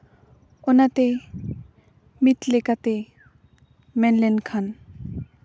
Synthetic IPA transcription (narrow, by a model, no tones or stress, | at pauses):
onat̪e | mit̪lekat̪e | mɛnlenkʰan